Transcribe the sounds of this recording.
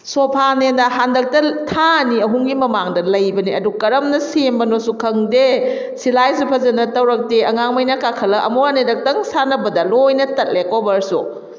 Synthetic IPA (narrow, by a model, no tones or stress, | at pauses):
sopʰanenɐɦandɐk̚tɐtʰaniɐɦuŋɡimɐmaŋdɐlɐjbɐniɐdukɐɾɐmnɐsembɐnosukʰɐŋde | silajsupʰɐzɐnɐtɐwɾɐk̚teɐŋaŋmɐjnɐkakʰɐlɐʔɐ̰moɾanedɐk̚tɐŋsanɐbɐdɐlojnɐtɐt̚lekobɐɾsṵ